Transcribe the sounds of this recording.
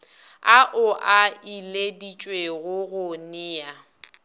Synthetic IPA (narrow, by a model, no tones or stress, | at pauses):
aʔʊʔailedit͡ʃʼweɣʊɣʊnɪːa